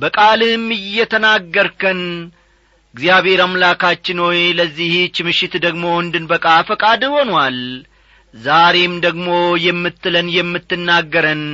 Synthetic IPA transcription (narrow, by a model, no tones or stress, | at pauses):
bəkʼalɨmːɨjːɛt̪ʰənaɡːəɾkʰən | ɨɡzijaβhe̞ɾamlakʰat͡ʃːɪnwojləzːiht͡ʃːɪmɨʃɪt̪d̪əɡmo̞wənd̪ɨnbəkʼafəkʼad̪ɨho̞nwal | zaɾe̞md̪əɡmo̞jɛmːɨt̪ːɨlənjɛmːɨt̪ːɨnːaɡːəɾən